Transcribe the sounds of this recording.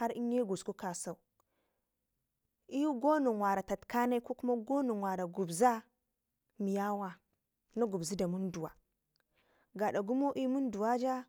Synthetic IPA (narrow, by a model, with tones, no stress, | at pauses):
a˦ɾi˦ɲ˦e˦ɡu˨sku˦ka˨sa˨u˨ | i˦ju˦ɡo˦nu˨ŋwa˨ɾa˨ta˨tka˦na˦i˦ko˦ku˦ma˦ɡo˦nu˨ŋwa˨ɾa˨ɡu˨bza˦ | mi˨ja˦wa˦ | na˦ɡu˨bzi˦da˨mu˦ndu˨wa̰˨ | ɡa˨ɗa˨ɡu˦mo˦ʔi˦mu˦n˦du˨wa˦d͡ʒa˦